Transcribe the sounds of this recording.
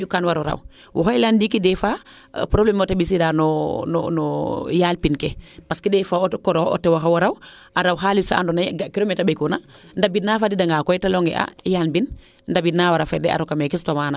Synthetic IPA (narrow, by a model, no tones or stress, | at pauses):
ukanwaɾɔɾa̰w | wʔɔɦɔjlandikidɛfa | pɾoblɛmotabisidanɔnɔ̰nɔjalpinkɛpaskidɛfaːkɔɾɔɔ̰tɛwaɦawaɾaw | aɾawɦalisaʔa̰ndɔnaɡakilomɛtabekuna | ndabinafadidaŋɡakɔjtalɔŋɛ̰ʔa̰jaːlbin | ndabinawaɾafɛdɛ̰a̰ɾokamɛkistomana